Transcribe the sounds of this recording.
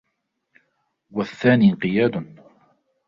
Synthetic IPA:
waθːaːniːqɪjaːd̪ʊn

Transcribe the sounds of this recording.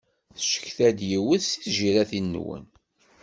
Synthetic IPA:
θʃə̥çθæd̪jiwəðsiθʒiɾæθin̰ːwə̰n

